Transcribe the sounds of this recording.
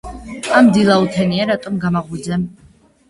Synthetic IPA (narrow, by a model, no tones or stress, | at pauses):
amd̪ilˠaut̪ʰɛniaɾat̪ʼɔmɡamaʁwid̪zɛm